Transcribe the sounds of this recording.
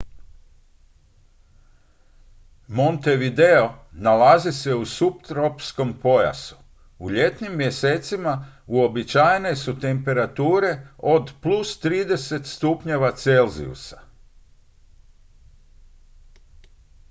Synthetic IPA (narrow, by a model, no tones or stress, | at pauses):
mont̪e̞ʋid̪e̞o̞nalazise̞usupt̪ɾo̞psko̞mpo̞ja̰su̥ | uʎe̞t̪nimːje̞seːt̪simauo̞bit͡ʃajene̞sut̪e̞mpe̞ɾat̪uːɾe̞o̞d̪plˠust̪ɾiːd̪e̞se̞t̪st̪upɲe̞ʋat̪selzḭṵsḁ